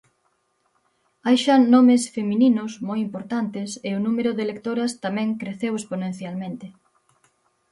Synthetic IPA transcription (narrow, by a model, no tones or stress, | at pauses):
ajʃanɔmɪsfemininʊsmojimpoɾt̪ant̪ɪseʊnũmeɾʊðelekt̪oɾɐst̪amɛ̃ŋkɾeθewesponẽn̟θjalmẽnt̪ɪ